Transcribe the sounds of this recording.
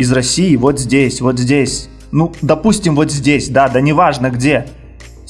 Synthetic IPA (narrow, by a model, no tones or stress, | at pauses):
ɪzrɐsʲːijɪvo̞t̪zʲdʲesʲvo̞t̪zʲdʲesʲ | nud̪ɐpusʲtʲɪmvo̞t̪zʲdʲesʲd̪ad̪anʲɪvaʐnəɡdʲe̞